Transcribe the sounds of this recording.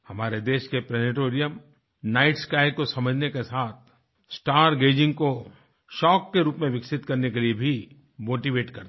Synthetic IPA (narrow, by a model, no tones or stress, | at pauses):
hɐmaːɾed̪eːʃkepɾɛːnɪʈoːɾijəm | naːɪʈskaːɪkosɐməd͡ʒʱnekesaːt̪̚ʰ | sʈaːɾɡeːd͡ʒɪ̃ŋɡko | ʃɔːkːeɾuːpmẽʋɪksɪt̪kɐɾnekeliebʱi | moːʈiʋeːʈkɐɾd̪